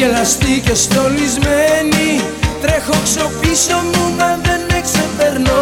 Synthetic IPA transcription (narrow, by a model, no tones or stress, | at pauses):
elɐst̪ice̞st̪o̞lizmeni | t̪ɾe̞xokso̞piso̞mumɐðe̞neksepe̞ɾno